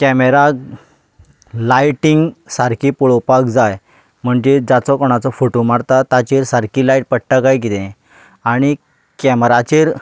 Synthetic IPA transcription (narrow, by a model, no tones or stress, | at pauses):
kɛmeɾa | lajʈiŋɡsaɾkipuɭɔpakd͡zaj | m̤əɳd͡ʑed͡zat͡sɔkɔɽ̃at͡sɔfoʈomaɽt̪at̪at͡ɕeɾsaɾkilajʈ̚pəɽʈakajɡit̪ẽ | aɽ̃i | kɛmɾat͡ɕeɾ